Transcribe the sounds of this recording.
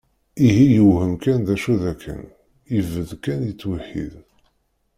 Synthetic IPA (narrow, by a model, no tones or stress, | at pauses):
iɦijəwhəmkænðæʃuðækʰːə̰n | ivəðkænjət͡sːwəħḭð